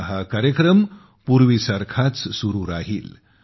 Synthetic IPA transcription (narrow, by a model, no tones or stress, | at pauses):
ɦakaɾjəkɾəm | puɾʋisaɾkʰat͡ssuɾuːɾaɦḭːl